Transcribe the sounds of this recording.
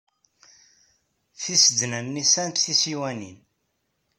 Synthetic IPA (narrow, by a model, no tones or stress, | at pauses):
θisəd̪nænːisænt̪θisiwænḭn